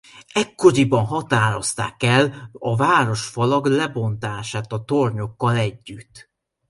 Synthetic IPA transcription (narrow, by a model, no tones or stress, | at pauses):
ɛkːo̞ɾibɒnɦɒt̪aːɾo̞st̪a̰ːkɛlɒvaːɾo̞ʃfɒlɒɡlɛbo̞nt̪aːʃaːt̪ɒt̪orɲo̞kːɒlɛɟːyt̪ː